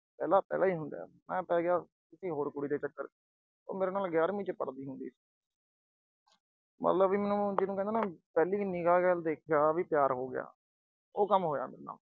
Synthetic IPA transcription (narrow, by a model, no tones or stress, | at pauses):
pɛːlaːpɛ̰ːlaːiːɦʊ̃nd̪a̰ːmɛ̃ːpɛːɡɪjaː | t̪ɪsĩːɦoːɾkʊɽiːd̪eːt͡ʃəkːəɾ | o̰ːmeːɾeːnaːlɡjaːɾmĩːt͡ʃpəɽd̪iːɦʊnd̪ḭːsiː | mə̰t̪ləbʋiːmɛːnũːd͡ʒɪnũkɛ̃nd̪eːnaːpɛːliːniːkaːkɛːld̪eːkʰaːʋiːpjaːɾɦoːɡɪja̰ː | oːkəmɦoːja̰ːmḛːɾeːna̰ːl